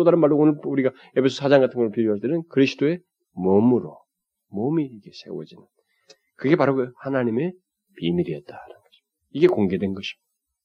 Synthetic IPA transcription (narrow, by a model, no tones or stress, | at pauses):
odaɾɯnmaɭdoonɯɭuɾiɡa | e̞pʰesʰoʌ̥sʰad͡ʑaŋɡatʰɯŋɡʌɭpiɾjoɦasʰdeɾɯnkɯɾisʰi̥d̥oe̞ | momuɾo | momiːɡe̞sʰe̞̰wʌ̰d͡ʑinɯn | kɯɡe̞paɾɯɡoohanaɲime̞ | pimiɾiʌt̚t͈aɾʌnnŋɡʌɕʰi̥ | iɡe̞koŋɡe̞dwe̞nɡʌɕʰi̥